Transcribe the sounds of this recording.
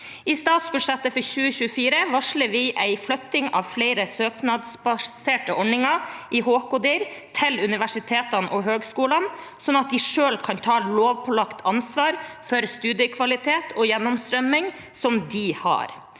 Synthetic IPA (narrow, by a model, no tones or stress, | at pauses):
iːst̪ɑːt̪sbʉʂɛt̪ːəfɔɾçʉːəçʉːəfiːɾəʋɑʂləɾʋɪʔæɪflœt̪ːɪŋɑ̰ʋflæɪɾəsøːknɑd̪sbɑseːʈəʔɔɳɪŋɑʔɪɦoːkʊd̪iːɾt̪ʰɪlʉnɪʋæʂɪt̪ʰeːt̪ɑnʔɔɦøːɡskuːlɑn | sɔnɑt̪̚d̪ɪʂøːlkʰɑnt̪ʰɑːloːʋpʰɔlɑkt̪ʰɑnsʋɑːɾfɔɾst̪ʉːd̪jəkʰʋɑlɪt̪ʰeːt̪ʰɔjɛnːɔmst̪ɾœmːɪŋ | sɔmd̪ɪhɑ̰ːɾ